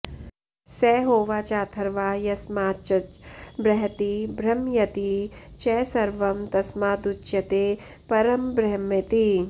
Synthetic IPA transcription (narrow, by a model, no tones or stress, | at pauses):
sɛːɦoːʋaːt͡ʃaːt̪ʰɐɾʋaːjɐsmaːt͡ʃɐt͡ʃbɾɐɦɐt̪ibɾɐmjɐt̪it͡ʃɛːsɐɾʋɐmt̪ɐsmaːd̪ut͡ʃjɐt̪eː | pɐɾɐmbɾɐɦmɐt̪i